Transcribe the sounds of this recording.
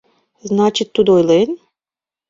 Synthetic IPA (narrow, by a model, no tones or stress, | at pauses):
znat͡ɕit̪ːud̪ojlen